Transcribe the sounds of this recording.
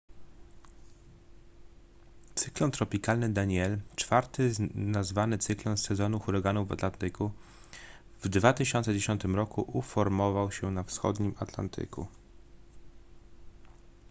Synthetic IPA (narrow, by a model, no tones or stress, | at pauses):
t̪sɘklɔnt̪ɾɔpʲikalnɘd̪aɲɛlt͡ʂfaɾt̪ɘnazvanɘt̪sɘklɔnsɛzɔnuxuɾaɡanuva̰t̪lant̪ɘku | vd̪vat̪ɘɕɔnt̪sɛd͡ʑeɕɔnt̪ɘmɾɔkuʔufɔɾmɔvawɕɛnafsxɔ̰d̪ɲimat̪la̰nt̪ʰɘ̰kṵ